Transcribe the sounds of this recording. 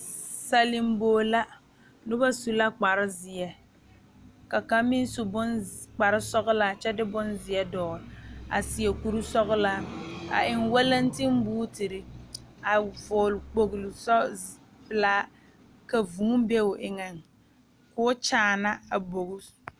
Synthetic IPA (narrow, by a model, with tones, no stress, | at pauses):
sa˨lɪ˨m˦boː˦˨la˦ | nʊ˦ba˦su˨la˦k͡pa˨ɾɪ˦zɪ˨ɛ˨ | ka˨ka˦mɪ˦n˦su˦bʊ˦nk͡pa˨ɾɪ˦sɔ˦ɣʊ˦laː˦t͡ʃɛ˦dɪ˦bʊ˦nzɪ˨ɛ˦dɔː˨ɾɪ˨a̰˨sɪ˨ɛ˨ku˨ɾu˦sɔ˦ɣʊ˦laː˦a̰˨ʔɪ˨ŋwa˦la˦n˦tɪ˦m˦buː˦tɪ˨ɾɪ˦a˨vʊː˨lk͡po˨ɣlʊ˨sɔ˦ | bɪ˨laː˦ | ka˨vuː˨ŋ˦be˦ʊ˨ʔɪ˨ŋɛ˨ŋ | kʊː˦t͡ʃaː˦na˦a˨bo˨ɣʊ˦